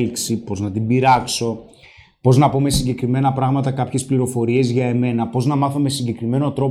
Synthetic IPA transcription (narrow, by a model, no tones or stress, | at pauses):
liksipo̞znɐt̪ibiɾɐkso̞ | po̞znɐpo̞me̞siɲɟe̞kɾime̞nɐpɾɐɣmɐt̪ɐkɐpçe̞spliɾo̞fo̞ɾie̞zʝɐe̞me̞nɐpo̞znɐmɐθo̞me̞siɲɟe̞kɾime̞not̪ɾo̞